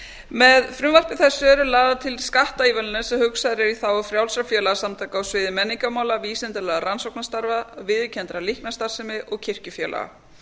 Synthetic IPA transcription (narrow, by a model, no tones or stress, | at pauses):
mɛðfɾʏmvar̥pɪθɛsːʏɛɾʏlaːðat̪ʰɪlskaht̪aiːvɛlɪnasɛmhʏksaðɾɪɾiθawfɾjawlsɾafjɛːlaɣasamt̪ʰajkaawsvɪːðɪmɛnːiŋkamaːwlaviːsɪnt̪ɪlɛːɣaɾansowknast̪aɾvavɪðʏcʰɛnt̪ɾalihknast̪ar̥sɪmɪʔɔɣcʰɪr̥cʏfjɛːla̰ɣa̰